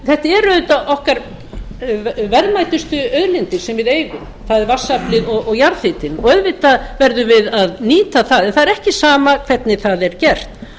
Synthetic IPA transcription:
θɛht̪aɛɾœðʏt̪aʔɔhkaɾ | vɛɾðmajt̪ʏst̪ʏœðlɪnt̪ɪ̥sɛmvɪðeːjɣʏm | θaðɛɾvasːaplɪðɔɣɔɣjaɾθɪt̪ɪnɔœðvɪt̪avɛɾðʏvɪðaðniːt̪aθaðɛnθaðɛɾɛhcɪsaːmakʰv̥ɛt̪nɪθaðɛɾ̥cɛr̥t̪

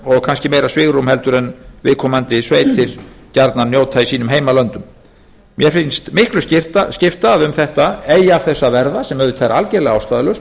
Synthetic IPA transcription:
ɔɣkʰanscɪmeːjɾasvɪɣrumhɛlt̪ʏɾɛnvɪðkʰɔmant̪ɪsveːjt̪ʰɪɾcaɾt̪nanjoːwt̪ʰaisiːnʏmɦeːjmalœnt̪ʏm | mjɛfɪnst̪mɪhklʏscɪft̪ascɪft̪aðʏmθɛht̪aeːjaːfθɛsːavɛɾðasɛmœɾðʏt̪ʰeːjɾaalcɛɾlɛɣawst̪aːðalœs

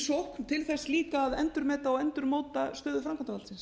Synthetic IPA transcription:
sowhkt̪ʰɪlθɛsliːkaːðɛnt̪ʏɾmɛːt̪aɔɛnt̪ʏɾmoːwt̪ast̪œːðʏfɾamkant̪avalsɪns

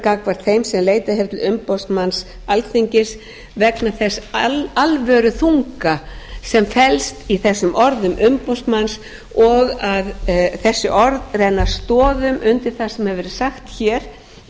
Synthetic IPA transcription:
kakvaɾ̥θejmsɛmleːjt̪aheɾt̪lʏmpowst̪mans | alθiɲcɪs | vɛknaθɛsalvœːɾʏθuŋkasɛmfɛlst̪iθɛsːʏmʔɔɾðʏmʔʏmpowst̪mans | ɔɣaðθɛsːʏʔɔɾt̪rɛnːast̪ɔːðʏmʔʏnt̪ɪɾ̥θasɛmhɛvɪɾɪsaxt̪çɛːɾ̥

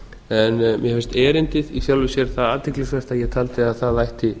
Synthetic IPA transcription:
ɛnmjɛfɪɾ̥st̪ɛːɾɪnt̪ɪðifjawlvɪsjɛɾ̥θaðaːt̪ʰɪklɪsvɛr̥t̪aðjɛɣt̪ʰaːlt̪ɪaðθaðajht̪ɪ

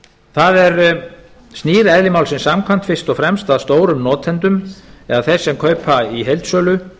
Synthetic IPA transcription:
θaðɛɾ | st̪niːɾɛðlɪmawlsɪnsamkʰvan̥t̪fɪst̪ɔɣfɾɛmst̪aðst̪oːwɾʏmnɔːt̪ʰɛnt̪ʏmɛðaθɛsːɛmkʰœːɥpʰaiɦejlt̪sœːlʏ

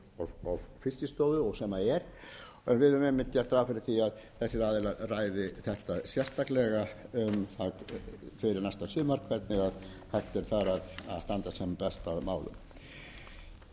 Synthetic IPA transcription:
ɔvfɪsɪst̪oːwðʏɔɣsɛmaɛɾ̥ | ɛnvɪðʏmɛmːɪnt̪jɛɾ̥t̪ɾaafɪɾɪɾ̥θiaðθɛsːɪɾaːðɛlaraːjðɪθɛht̪asjɛst̪aklɛɣaʏmθafɪɾɪɾnajst̪asʏːmaɾ̥kʰvɛt̪̚nɪɣað | haht̪ɛɾ̥θaɾaða̰ðst̪ant̪asɛmpɛst̪aðmaːwlʏ̰m

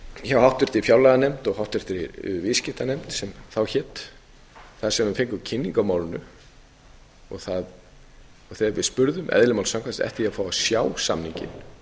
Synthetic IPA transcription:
çawhawht̪ɪr̥t̪ɪɾifjawlaðanɛmt̪ɔɣhawht̪ɪr̥t̪ɪɾḭviscɪht̪anɛmt̪sɛmθawçɛːt̪ | θaðsɛmʏmfeŋkʏcʰɪnːiŋkawmaːwlɪnʏ | ɔɣθað | ɔɣθɛvɪ̰ðspʏɾðʏmʔɛ̰ðlɪmawlsaŋkvast̪ɛ̰ht̪ɪafaːwasjaːwsa̰mniɲcɪ̰n

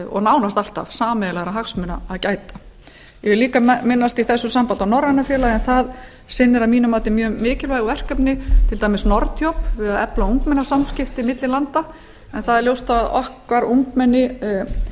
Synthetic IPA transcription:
ɔ̰ɣnaːwnast̪al̥t̪a̰v̥saːmɛðlaɣɾaɦaksmʏnːaaðcaːjt̪ḁ | jɛvɪɾliːkamɪnːast̪iθɛsːʏsampant̪awnɔɾːanafjɛːlaɛnθað | sɪnːɪɾamiːnʏmaːt̪ɪmjœːmɪːcɪlvajɣɔvɛr̥kœpnɪt̪ʰɪlt̪aːjmɛsnɔɾt̪jowpvɪðaðɛ̰plauŋkmɛnasamscɪft̪ɪmɪt̪lɪlant̪a | ɛnθaðɛɾljowst̪aðɔ̰hkvaɾuŋkmɛnːɪ

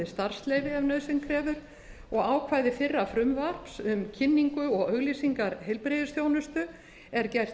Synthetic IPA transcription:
ɪst̪ar̥st̪lejvɪɛvnœðsɪnkʰɾɛːvʏɾ | ɔɣaːwkʰvaːjðɪfɪrːafɾʏmvar̥psʏmcʰɪnːiŋkʏɔɣœɣlisiŋkaɾɦejlpɾɪðɪsθjoːwnʏst̪ʏ | ɛɾcɛjr̥

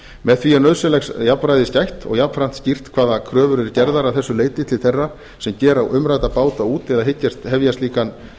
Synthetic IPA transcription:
mɛðθvianœðsɛlɛxsjapnɾajðɪscajht̪ɔ̰ɣjapfɾan̥t̪scir̥t̪kʰv̥aːðakʰɾœːvʏɾɛɾcɛɾðaɾaθɛsːʏleːjt̪ɪt̪ʰɪlθejrːa | sɛmcɛːɾawʏmɾajt̪apaːwt̪auːt̪ɛðaɦɪcːast̪hɛvjast̪liːkan

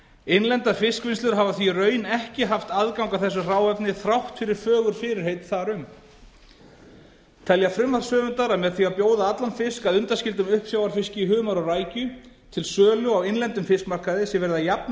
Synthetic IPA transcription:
ejnlɛnt̪afɪskvɪnst̪ʏɾ̥ɦavaθirœːɥnɛhcɪɦaft̪aðkawŋkawθɛsːʏr̥aːwɛpnɪθɾawht̪fɪɾɪɾ̥fœːɣʏɾ̥fɪɾɪɾ̥hejt̪θaɾʏm | t̪ʰɛljafɾʏmaɾsœːvʏnt̪aɾaðmɛðθiapjoːwðaat̪lanfɪskaðʏnt̪ascɪlt̪ʏmʏhpsjaːwaɾfɪscɪiɦʏːɣmaɾɔraːjcʏ | t̪ʰɪlsœːlʏawɪnlɛnt̪ʏmfɪskmar̥kaðɪsɛvɛɾɪðajapn

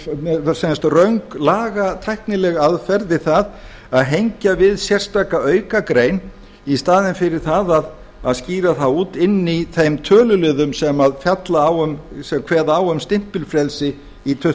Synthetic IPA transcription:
ɛsɛnst̪rœɥŋklaːɣat̪ʰajhknɪlɛɣaðfɛɾðɪθað | aðɦejɲcavɪðsjɛr̥st̪aːkaœːɥkakɾeːjn | ist̪aːðɪnfɪɾɪɾ̥θaðað | aðsciːɾaθaðuːt̪ɪnːiθejmt̪ʰœːlʏlʏːðʏmsɛmaðfjat̪laːwʏmsɛmkʰv̥ɛːðaawœmst̪ɪm̥pɪlfɾɛlsɪ | it̪ʰœ

